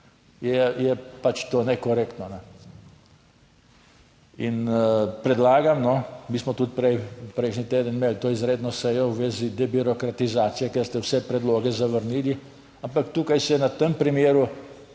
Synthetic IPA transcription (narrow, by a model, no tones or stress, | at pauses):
jɛjɛpat͡ʃt̪oːnɛkɔɾekt̪nɔnɛ | inpɾɛd̪laːɡamnɔmiːsmɔt̪ut̪̚pɾɛjpɾɛjʃnit̪eːd̪ənmelt̪oːizɾeːd̪nɔsɛjɔwʋeːzid̪ɛbiɾɔkɾat̪izaːt̪sijɛkɛɾst̪ɛwsɛpɾɛd̪loːɡɛzaʋəɾniːli | ampakt̪uːkajsɛnat̪əmpɾimeːɾu